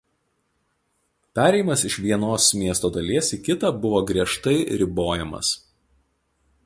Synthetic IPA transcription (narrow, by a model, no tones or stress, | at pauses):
pʲæːɾʲɛɪɪmɐsɪʃʋʲiɛnoːsmʲiɛst̪oːd̪ɐlʲeːsiːkʲɪt̪ɐbʊʋoːɡɾʲiɛʃt̪ɐɪɾʲɪboːjɛmɐ̰s